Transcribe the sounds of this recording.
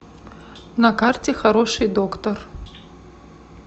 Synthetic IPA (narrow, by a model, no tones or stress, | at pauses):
nɐkartʲexɐɾo̞ʂɨjd̪okt̪ɐr